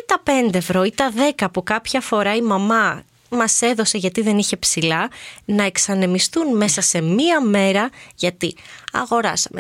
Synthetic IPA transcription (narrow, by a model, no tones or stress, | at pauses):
t̪ɐpe̞nd̪eːvɾo̞it̪ɐðe̞kɐpukɐpçɐfo̞ɾɐimɐmɐ | mɐse̞ðo̞se̞ʝɐt̪iðe̞niçe̞psilɐnɐe̞ksɐne̞mist̪unme̞sɐse̞miɐme̞ɾɐʝɐt̪iɐ̰ɣo̞ɾɐsɐme